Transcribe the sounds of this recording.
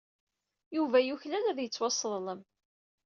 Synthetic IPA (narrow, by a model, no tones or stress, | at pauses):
juvæjuçlælæðjət͡sːwɑsˤːðləm